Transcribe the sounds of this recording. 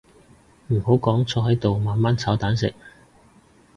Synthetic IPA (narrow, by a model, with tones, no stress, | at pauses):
m̩˨˩ho˨˥wkɔː˨˥ŋt͡sʰɔː˧hɐ˨˥jt̪o˨wmaː˨nmaː˥nt͡sʰɐː˨˥wt̪aː˨˥nsɪ̰˨k̚